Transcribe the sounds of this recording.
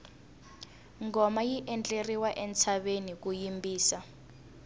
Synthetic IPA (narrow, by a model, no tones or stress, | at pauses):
ŋɡɔmajiʔɛnt͡ɬʼeriwaʔɛnt͡sʰaɓenik̬ujimbiːsa